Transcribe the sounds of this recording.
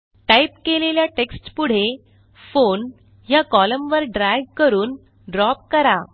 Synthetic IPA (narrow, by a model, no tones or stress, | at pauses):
ʈajpkeleljaʈeksʈpuɽ̤e | fon | ɦjakɔləmʋəɾɖɾajʋkəɾuːn | ɖɾɔp̚kəɾa